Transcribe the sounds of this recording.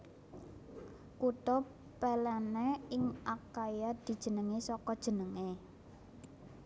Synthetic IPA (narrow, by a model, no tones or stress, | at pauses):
kut̪ɔ | pɛlɛneɪŋʔakajad̪̥i̤d̥ʒ̥ə̤nəŋesɔkɔd̥ʒ̥ə̤nəŋe